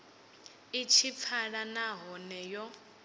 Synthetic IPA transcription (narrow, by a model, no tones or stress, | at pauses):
it͡ʃʰip̪fʰaɺanaɦɔnɛjɔ